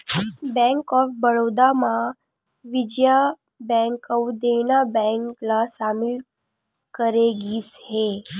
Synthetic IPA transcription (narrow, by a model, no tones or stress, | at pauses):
bɛ̃ŋkɔːfbəɽod̪amã | ʋɪd͡ʒja | bɛ̃ŋkəwd̪enabɛ̃ŋklasaːmɪl | kəɾeɡiːshe